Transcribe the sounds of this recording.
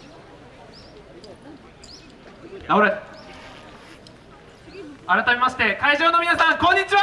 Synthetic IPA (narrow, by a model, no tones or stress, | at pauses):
aoɾe | aɾat̪amʲe̞maɕi̥t̪e̞kaiʑo̞ːno̞mʲinasãŋkõ̞ɲ̟ːit͡ɕiβa